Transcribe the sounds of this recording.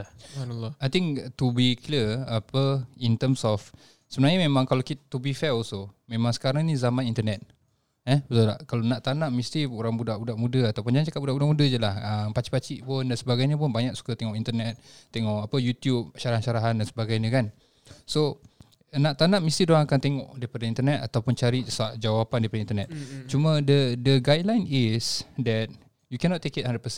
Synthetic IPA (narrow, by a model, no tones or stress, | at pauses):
anlːɔajt̪iŋt̪ubikliəapəint̪əmsɔf | səbənaɲəmemãŋkalakit̪ubifɛosomemãŋsə̥kaɾaŋnĩzamãnint̪ənɛt̪̚ | ɛbət̪ula̰hkalonãʔt̪anãʔmist̪ioɾaŋbudaʔbudaʔmũdəat̪awpund͡ʒãt͡ʃakat̚buaʔbudaʔmudəd͡ʒəlahəmpat͡ʃi̥pat͡ʃiʔpʊndansəbaɡajɲəp̬ʊnbaɲak̚su̥kat̪eŋɔʔint̪ənɛt̪̚ːeŋɔʔapəjut̪jub̚ʃaɾaanʃaɾaɦandansəbaɡajɲəkan | so | nãʔt̪anãʔmist̪idoɾaŋakant̪eŋɔʔdaipadəint̪ənɛt̪at̪awpʊnt͡ʃaɾisaʔd͡ʒawapandaɾipadəint̪ənɛt̪̚t͡ʃumə̃dədəɡajdlajnisdɛt̪̚ | jukɛnɔt̪ːekit̪̚hadəpəs